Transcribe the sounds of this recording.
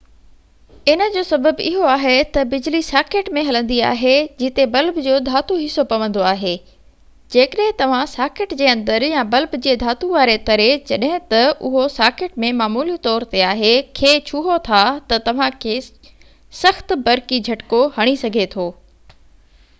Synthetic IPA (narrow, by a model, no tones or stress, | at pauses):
ɪnəd͡ʑoːsɐbəbɪɦoaːɦet̪ɐbɪd͡ʑlisaːkeːʈmẽɦɐlə̃nd̪ia̰ːɦed͡ʑɪt̪ebɐlbd͡ʑoːd̪ʱaːt̪uɦɪsopɐʋə̃nd̪oaːɦeː | d͡ʑeːkəɗɦɪ̃t̪ɐʋ̤ãsaːkɪʈd͡ʑeːɐ̃nd̪əɾjãbɐlbd͡ʑeːd̪ʱaːt̪uʋaːɾet̪ɐɾet͡ɕɐɗɦɪ̃t̪ɐʔʊɦosaːkɪʈmẽmaːmuːlit̪ɔːɾt̪eaːɦekʰeːt͡ɕʰuɦot̪ʰat̪ɐt̪ɐʋ̤ãkʰeː | sɐxt̪̆bɐɾkid͡ʑʱɐʈkohɐɽ̃isɐɡʱet̪ʰoː